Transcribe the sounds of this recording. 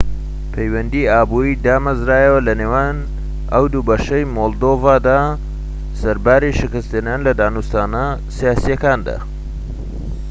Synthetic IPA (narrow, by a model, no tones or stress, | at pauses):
pʰejwɐnd̪iːaːbuːɾiːd̪aːmɐzɾaːjəwɐlɐneːwaːn | ʔəwd̪ubɐʃɐjmoːlˠd̪oːvaːd̪aː | sɐɾbaːɾiʃɪkɨst̪enaːnlɐd̪aːnust̪aːnɐsijaːsijɐkaːnd̪a̰ː